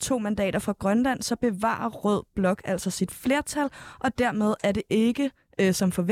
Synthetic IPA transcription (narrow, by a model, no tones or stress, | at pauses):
t͡sʰo̝̰ːmænd̥ɛ̰ːɾ̥ɐfɑ̈ɡ̥ʁɶnlæn̰sɒ̽b̥e̝ʋɑ̰̈ːɐʁɔð̞̰ˠb̥lɒ̽ɡ̥æl̰sɒ̽sid̥fle̝ɐt͡sʰælʔɒ̽d̥æɐ̰með̞ˠæɐɾe̝ʔe̝ɡ̥ə | sɒ̽mfɒ̽ʋ